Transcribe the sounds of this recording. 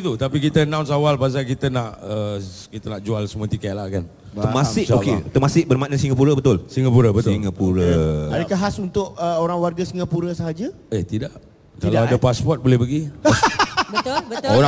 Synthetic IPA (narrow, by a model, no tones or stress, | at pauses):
t̪ut̪apikit̪ənãwns̬awalbas̬akit̪ənaʔə | kit̪ənaʔd͡ʒualsəmuat̪ikɛʔ̚lakan | əmãssɪʔoket̪əmasɪʔbərmanəsiŋapuɾəbət̪ʊlsiŋapuɾəbət̪iŋapuɾəadakaɦasunt̪ʊʔəoɾaŋwarɡasiŋapuɾəsəɦad͡ʒa | eht̪idaʔ | kalaadapaspɔt̪̚bolɛhbəɡi | bbəoɾa